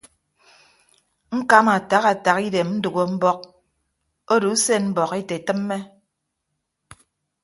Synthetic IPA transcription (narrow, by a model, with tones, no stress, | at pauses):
ŋ̩˦ka˦ma˨ta˨ɣa˨ta˨ɣi˦de˨mm̩˦du˨ɣo˦m̩˦bɔ˦k̚ | o˦du˨˦se˦m̩˦bɔ˨ɣe˦te˨tɨ˦mːe˦